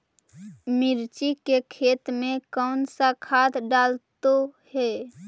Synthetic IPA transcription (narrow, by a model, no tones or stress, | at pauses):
miɾt͡ʃikekʰet̪mẽkɔnsakʰad̪ɖalt̪ohɛ